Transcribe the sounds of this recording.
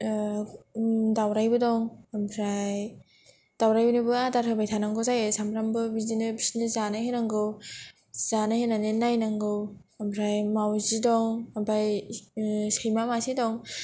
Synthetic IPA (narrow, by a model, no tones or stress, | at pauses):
dawɾajbɯdɔŋmbʰɾaj | d̥awɾajbɯnɯbɯadaɾhɯbajtʰanaŋɡɯzajesamɾambɯbizinɯbisnɯzanaɦenaŋɡɯw | z̥anahenanenajnaŋɡɯwmpʰɾajmawzidɔŋbaj | sejmamasidɔŋ